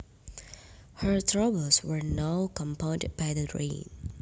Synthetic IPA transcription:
hə˞tʰɹabəlswə˞naʊkʰɔ̃mpʰãʊ̃ndb̥ajdəɹḛ̃n

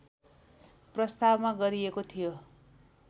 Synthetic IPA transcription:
prʌst̪abmaɡʌɾiekot̪ʰijo

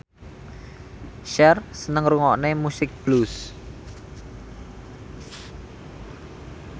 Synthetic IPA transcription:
ʃɛrsənəŋruŋɔʔnemusɪk̚b̥lus

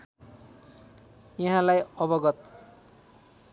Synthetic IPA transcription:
jʌɦãlajʌbʌɡʌt̪

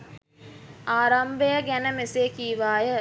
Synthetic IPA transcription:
aːɾambejəɡænəmeseːkiːʋaːjə

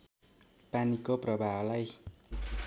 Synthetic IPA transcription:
panikopɾabaːlaj

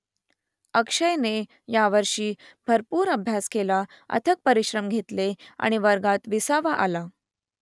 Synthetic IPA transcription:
əkʂəjne | jaʋəɾʂiːbʱəɾpuːɾəbʱjaskela | ə̰t̪ʰək̚pəɾiɕɾəmɡʱet̪lea̰ɽ̃iʋəɾɡat̪ʋisaʋaʔa̰la

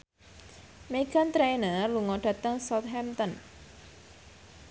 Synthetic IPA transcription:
meɡ̥ant̪ɾenəluŋɔɖ̥a̤t̪əŋsɔt̪̚ɦɛmt̪ən

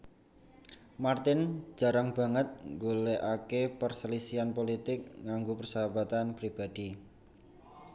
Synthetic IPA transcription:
mart̪ɪn̥ʒ̥a̤ɾaŋb̥a̤ŋət̪̚ŋɡoleʔakepərsəlisianpolit̪ɪk̚ŋaŋɡupərsəɦab̥at̪anpɾib̥a̤d̪̥i

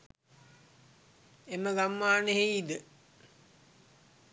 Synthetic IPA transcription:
eməɡamːaːneɦejid̪ə

